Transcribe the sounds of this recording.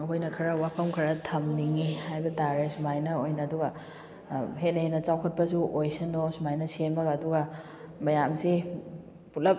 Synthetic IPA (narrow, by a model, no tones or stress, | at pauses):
ɐkʰojnɐkʰɐɾɐwapʰɐmkʰɐɾɐtʰɐmniŋihajbɐtaɾesumajnɐojnɐːduɡɐ | ɦenɐhenɐt͡ʃawkʰɐt̚pɐsuʔojsinosumajnɐsenmɐɡːduɡɐ | mɐjamsi | putlɐp̚